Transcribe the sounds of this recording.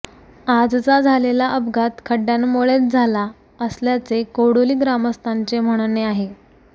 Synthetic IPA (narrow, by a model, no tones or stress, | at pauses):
ad͡zt͡sad͡zʱalelaʔəbɡat̪kʰəɖːjanmoɭet͡s̚d͡zʱala | əsljat͡sekoɽoliːɡɾaməst̪ʰant͡sem̤əɽ̃neaɦe